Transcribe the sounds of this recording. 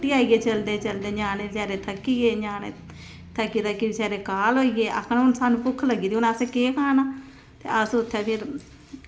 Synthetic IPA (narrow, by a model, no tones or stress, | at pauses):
ʈiːaːiːeːt͡ʃəld̪eːt͡ʃəld̪eːɲaːneːsɛːɾeːt̪ʰəkːieːɲaːnḛː | t̪ʰəkːiːt̪əkibisɛːɾeːkaːlɦoːiːeːʔə̰kʰənʊnsaːnũːpʊkʰːləɡːiːd̪iːʊnəseːkeːkʰaːnaː | t̪ḛːʔəsʊt̪ʰːeːpʰɪɾ